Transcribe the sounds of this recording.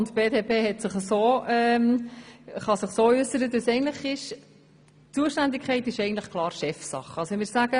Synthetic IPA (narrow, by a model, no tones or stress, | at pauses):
ntb̥eːdeːpʰeːɦɛtsɪχəsoːɛm | χɑsɪχsoːʏsəɾəd̪əsɛɪəntləχɪʃ | t͡suəʃtænd̪ɪkʰχɛɪtɪʃɛɪɡntləχkʰlˠɑːɾʃɛfsɑ̰χəɑlsoɛmɪːɾsæɡ̥ə